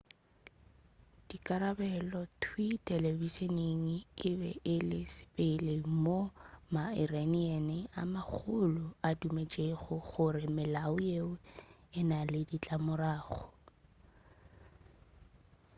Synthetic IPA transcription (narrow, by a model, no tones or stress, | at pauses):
d̥ikʼaɾabɛlɔtʰwitʼɛlebiseneŋ̩ɪbɛ̰ʔɪlɪsɪ̥pɪlemomairaniɛnɛa̰mak͡xʰʊlʊadumet͡ʃʼeχʊɣʊrɪmɪlaʊjeʊɪnalɪdit͡ɬʼamʊraːχʊ